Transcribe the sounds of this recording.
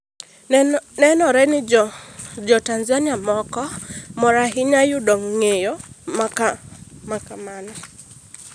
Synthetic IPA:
nɛnɔɾɛnɪ | d͡ʒɔtanzanɪamɔkɔmɔɾaɦɪɲajʊdɔŋːejomakamakamanɔ

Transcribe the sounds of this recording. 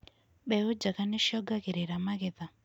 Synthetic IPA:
ɓɛod͡ʒakanɛʃjɔɡakeɾeɾamaɡɪða

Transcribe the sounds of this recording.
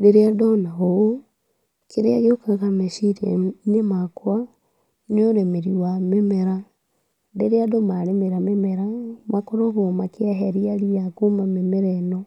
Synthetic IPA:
deɾeadonaɣoo | keɾeaɣeokakameʃiɾḛnemakwa | neoɾemeɾiwamemeɾa | deɾeadomaɾemeɾamemeɾamakoɾoɣomakjaɦeɾialiakumamemeɾɛno

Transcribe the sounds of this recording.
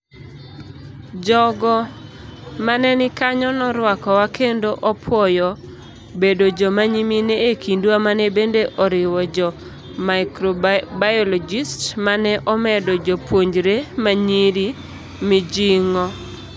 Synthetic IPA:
d͡ʒɔɡɔ | manɛnɪkaɲɔnɔɾwakɔwakʰendoʔɔpʰwɔjɔ | bedod͡ʒɔmaɲimineekindwamanɛbendeʔɔɾɪwɔd͡ʒɔ | maɪkɾɔbajɔlɔd͡ʒistmanɛʔɔmɛdɔd͡ʒɔpwoɲd͡ʒɾemaɲiɾi | mɪd͡ʒiŋɔ

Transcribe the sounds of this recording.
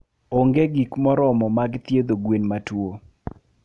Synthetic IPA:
oŋɡeɡikmɔɾɔmɔmaɡt̪jed̪oɡwenmatwo

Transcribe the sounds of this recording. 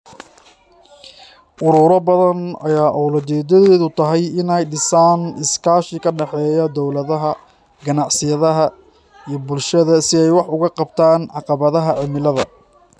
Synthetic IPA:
ʔʊɾʊːɾɔbɐðɐnɐ̰jaːʔɔwlɐt͡ʃɛːd̪ɐðɛːðʊt̪ʰɐɦɛjɪnɛjɖɪsaːnɪskʰaːʃɪkʰɐɖɛħɛːjɐd̪ɔwlɐðɐɦɐ | ɡɐnɑʕsɪjɐðɐɦɐ | ijɔbʊlʃɐðɐsɪɛjwɑħʊɣɐqɑbt̪ʰaːnʕɑqɑβɐðɐɦɐʕɪmɪlɐðɐ

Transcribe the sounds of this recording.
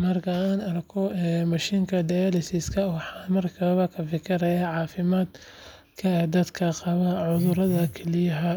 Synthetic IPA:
mɐrkʰɐaːnɐrkʰɔɛmɐʃiːŋkʰɐd̪ɐjɐlɪsɪskʰɐwɑħɑːmɐrkʰɐβɐkʰɐfɪkʰɪɾɐjaʕɑːfɪmaːd̪ | kʰɐd̪ɐd̪kʰɐqɑβɐʕʊðʊɾɐðɐkʰɛlɪjɐɦɐ

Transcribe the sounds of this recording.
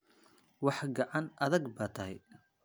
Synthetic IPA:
wɑħɡɑʕɑnʔɐðɐɡbaːt̪ʰɐɦɛ̰j

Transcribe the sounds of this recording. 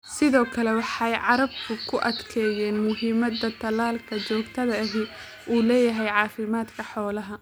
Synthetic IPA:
sɪðɔːkʰɐlɛwɑħɑjʕɑɾɐbkʰʊkʰʊʔɐd̪kʰɛːjɛːnmʊɦiːmɐd̪ɐt̪ʰɐlaːlkʰɐt͡ʃɔːɡt̪ʰɐðɐɪɦɪ | ʔuːlɛːjɐɦɛjʕɑːfɪmaːd̪kʰɐħɔːlɐɦɐ

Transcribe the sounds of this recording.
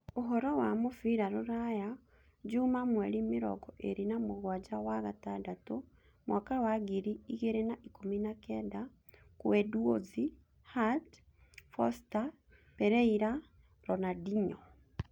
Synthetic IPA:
oɦɔɾɔwamofiɾaɾoɾaja | d͡ʒumamwɛɾimɪɾɔ̰ɡɔʔeɾinamoɣwad͡ʒawaɣatadato | mwakawaɡiɾiiɣeɾenaʔikominakɛda | kwɛdwozi | hat | fɔsta | pɛɾɛiɾa | ɾɔnadiɲɔ

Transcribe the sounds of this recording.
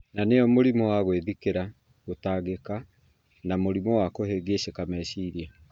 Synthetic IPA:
naneɔmoɾimɔwaɣweðikeɾa | ɣotaːɣeka | namoɾimɔwakoheɡeɕekamɛɕiːɾia

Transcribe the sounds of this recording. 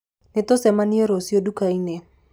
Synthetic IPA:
netosɛmaniɔɾosiodukainɛ

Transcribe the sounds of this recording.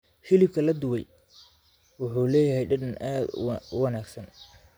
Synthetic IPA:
hɪlɪb̚kʰɐlɐd̪ʊwɛj | wʊħuːlɛːjɐɦɛjɖɐɖɐnʔaːd̪ʊwɑnaːɡsɐn

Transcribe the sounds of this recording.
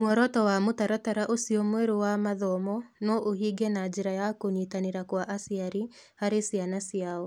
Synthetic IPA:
mwɔɾɔtɔwamotaɾataɾaʔosiɔmwɛɾowamaðɔmɔnɔʔohiɡɛnad͡ʒeɾajakoɲitaneɾakwaʔasiaɾi | haɾesianasiaɔ

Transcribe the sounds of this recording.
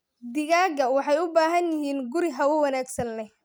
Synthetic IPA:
d̪ɪɣaːɡɐwɑħɑjʊbaːɦɐnjɪɦiːnɡʊɾɪɦɐwʊwɐnaːɡsɐnlɛ

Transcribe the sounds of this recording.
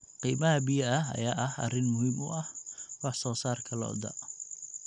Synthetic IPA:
qiːmɐɦɐbijɐɐɦɐ̰jaːʔɐɦɐ̰rɪnmʊhɪmʊ̰ʔɐhwɑħsɔːsaːrkʰɐlɔ̰d̪ɐ̰ʔ

